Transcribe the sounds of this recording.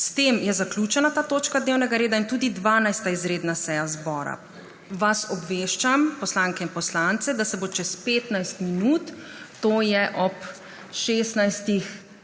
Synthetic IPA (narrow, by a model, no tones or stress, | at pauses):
st̪eːmjɛzaklʲuːt͡ʃɛnat̪aːt̪oːt͡ʃkad̪neːwnɛɡaɾeːd̪aint̪uːd̪id̪ʋaːnajst̪aizɾeːd̪nasɛjazbɔːɾa̰ | ʋasɔbʋeːʃt͡ʃampɔslaːŋkɛinpɔslant̪sɛd̪asɛbot͡ʃɛspeːt̪najst̪minuːt̪ːoːjɛʔɔp | ʃeːst̪najst̪ix